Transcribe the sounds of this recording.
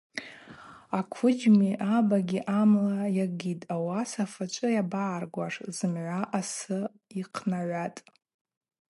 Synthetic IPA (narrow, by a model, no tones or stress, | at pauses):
akʷʰʊd͡ʒmiʔabaɡʲiʔamlajaɡitʼawasafat͡ʃʷʼɨjabaːrɡʷaʂzɨmʕʷaʔasɨ | iqʰnaʕʷatʼ